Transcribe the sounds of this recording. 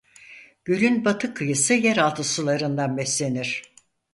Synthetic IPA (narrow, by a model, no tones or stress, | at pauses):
ɟ̥ylʲynbat̪ʰɯkʰːɯjɯsɯjæɾalˠt̪ʰɯsɯlˠaɾɯnd̪anbɛslʲe̞niɾ̥